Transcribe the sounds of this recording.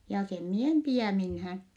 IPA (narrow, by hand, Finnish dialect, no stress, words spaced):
jɑː sem mie em piæˑ minhæːn